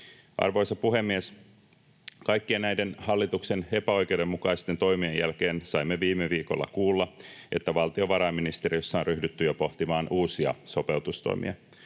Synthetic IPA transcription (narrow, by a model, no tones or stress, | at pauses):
ʔɑ̰rʋo̞jsɑpuɦe̞mːies | kɑjkːienæjdenhɑlːit̪ukse̞ne̞pæo̞jke̞uwde̞mːukɑist̪e̞nt̪o̞jmiejælke̞ːnsɑimːeʋiːmːeʋiːko̞̰lːɑ̰kuːlːɑʔe̞t̪ːæʋɑlt̪io̞ʋɑɾɑːminist̪e̞ɾiøsːɑonryhdyt̪ːyjopo̞ht̪imɑːnuːsiɑ̰so̞pe̞uwt̪ust̪o̰imḭɑ̰